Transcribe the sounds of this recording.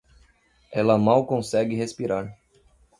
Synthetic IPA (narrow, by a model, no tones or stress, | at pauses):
ɛlɐmawkõsɛɡɪɦespiɾaɾ